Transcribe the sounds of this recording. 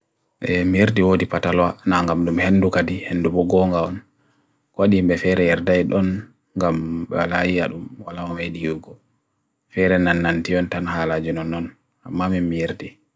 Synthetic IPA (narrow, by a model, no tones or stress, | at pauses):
ʔɛmijeɾdiwodipatalwanaŋɡamɗumhenːdukadihenːdubɔɡɔŋɡaɔn | kwaɗimbɛfɛɾɛjɛɾdajɗɔn | ŋɡamɓɛ̰walajiaɗumwalamɔmeɗijuɡɔ | fɛɾɛnanːantiɔntanhaːlad͡ʒunɔnːɔn | amːamimːijeɾdi